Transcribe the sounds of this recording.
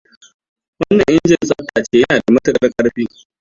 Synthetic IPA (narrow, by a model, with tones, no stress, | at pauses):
wɐ˦nːɐ˨ŋʔɪ˦nd͡ʒɪ˨nsʼɐ˦tːaː˨t͡ʃeː˦jɐ˦naː˨da˨mɐ˦tɐ˨kʼɐ˦rkʼɐ˦ɽɸiː˦